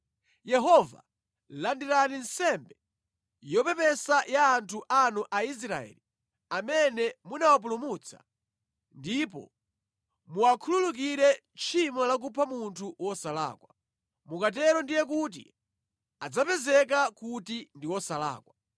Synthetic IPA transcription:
jɛɦɔva̰ | landiɾaninsɛmbɛ | jɔpɛpɛsajaːntʰuʔanuʔais̬ɾa̰ɛ̰li | amɛnɛmunawap̬ulumut͡sʰḁ̰ | ndipɔ̰ | muakʰululuk̬iɾɛ | t͡ʃʰimɔlak̬upʰamuntʰuwɔsala̰ːkwa | mukat̬ɛɾɔndijɛk̬ut̬ḭ | ad͡zapɛzɛk̬akutindiwɔsala̰ːkwa

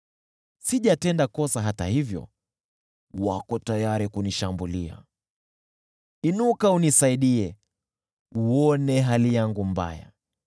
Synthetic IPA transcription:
siʄatɛndakɔsaɦata̰hivjɔ̰ | wakɔtajaɾikuniʃambulia̰ | inukaunisaiɗiɛ | uɔnɛɦalijaŋɡumba̰ja̰

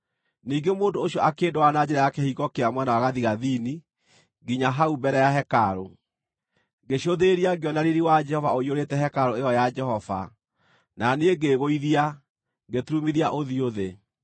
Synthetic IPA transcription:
niːŋɡemoːndoːɕjɔʔakeːndowanad͡ʑɛɾajakɛhiɣɔkeamwɛnawaɣaðiɣaðini | ɡiɲaɦaubɛɾɛjaɦɛkaɾo | ɡeɕoðeɾiaɡeɔnaɾiɾiwad͡ʒɛhɔvaoioɾetɛɦɛkaɾoejɔjad͡ʒɛhɔva̰ | naneeɡeɣoiðia | ɡetuɾumiðiaʔoðioðe

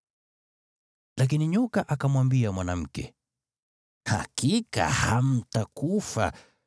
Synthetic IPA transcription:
lak̬iniɲɔkaʔakamwambiamwanam̩kɛ̰ | ha̰kika̰ham̩takufa̰

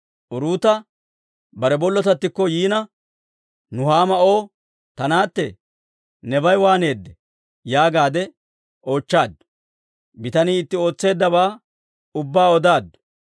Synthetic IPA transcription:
ʔʊɾuːt̪ɐ | bɐɾɛbɔlːɔt̪ɐt̪ːɪkːɔjiːnɐ | nʊhaːmɐʔo̞ː | t̪ɐnaːt̪ːɛ̰ | nɛbɐjwaːne̞ːd̪ːɛ | jaːɡaːd̪ɛ | o̞ːt͡ʃːaːd̪ʊ | bɪt̪ɐniːɪt̪ːɪo̞ːt͡sːe̞ːd̪ːɐbaː | ʊbːaːɔd̪aːd̪ːʊ̥

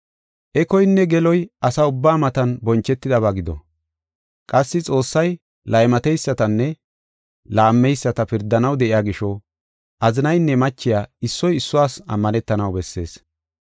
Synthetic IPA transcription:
ʔɛkɔjnːɛɡɛlɔjʔɐsaʊbːaːmɐt̪ɐnbɔnt͡ʃːɛt̪ːɪd̪ɐβaɡɪd̪ɔ̰ | kʼɐsːɪt͡sʼo̞ːsːɐj | lɐjmɐt̪ɛjsːɐt̪ɐnːɛ | laːmːɛjsːɐt̪ɐpɪɾd̪ːɐnɐwd̪ɛʔɪjaːɡɪʃɔ | ʔɐzɪnɐjnːɛmɐt͡ʃːɪjaːɪsːɔjɪsːʊwaːsɐ̰mːɐnɛt̪ːɐnɐwbɛsːe̞̰ːs

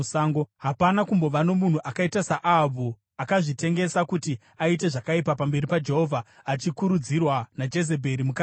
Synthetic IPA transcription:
saːŋɡoɦapanakumbo̞ʋano̞mun̤uʔakaitasaʔabʱu | akaʐite̞ŋɡe̞sakuti | aite̞ʐakaipapambe̞ripad͡ʒe̞ɦo̞vʱaː | t͡ʃikuɾud͡zirwanad͡ʒe̞ze̞bʱe̞ɾimuka

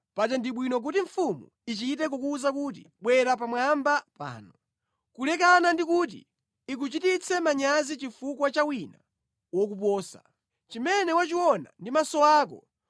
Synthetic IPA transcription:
pat͡ʃɛndiɓwinɔk̬utiɱ̩fumṵ | it͡ʃitɛk̬ɔkuːzakuːt̬ḭɓwɛɾapamwambapa̰ːnɔ | kulɛkanandikuːt̬ḭ | ik̬ut͡ʃitit͡sʰɛmaɲazit͡ʃifukwat͡ʃawina | wɔk̬up̬ɔːsa̰ | t͡ʃimɛnɛwat͡ʃiwɔna̰ndimasɔaːkɔ̰

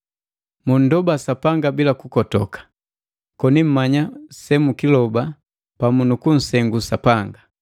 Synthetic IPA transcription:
mun̩dɔbasapaŋɡabilakukɔtɔkḁ | kɔnim̩maɲasɛmukilɔba | pamunukun̩sɛŋɡusapaŋɡa

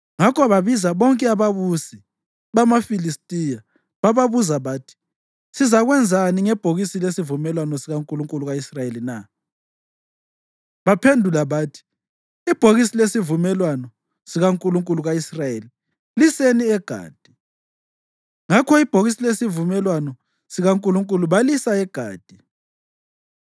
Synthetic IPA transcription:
ŋakʰɔβaβizaβɔŋkʼɛaβaβusi | βamafilistʼija | βaβaβuzaβaːtʰi̥ | sizaɣwɛnd͡zʱaniŋɛb̥ʱoɣisilesivumɛlwanɔsiɣaŋkʼuluŋkʼuluɣaisrajelina | βapʰendʱulaβaːtʰi̥ː | b̥ʱoɣisilesivumɛlwanɔ | siɣaŋkʼuluŋkʼuluɣaisrajeli | liseniɛɡ̥ʱa̰ːd̥ʱi̥ | ŋakʰɔib̥ʱoɣisilesivumɛlwanɔ | siɣaŋkʼuluŋkʼuluβalisaɛɡ̥ʱa̰ːd̥ʱi

